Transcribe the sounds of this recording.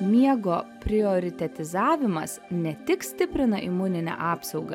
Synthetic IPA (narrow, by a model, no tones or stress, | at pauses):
mʲiɛɡoːpʲɾʲɪɔɾʲɪt̪ʲɛt̪ʲɪzɑːʋʲɪmɐsnʲɛt̪ʲɪksʲt̪ʲɪpʲɾʲɪnɐʔɪmuːnʲɪnʲæ̰ʔɑːpsɒʊɡɐ̰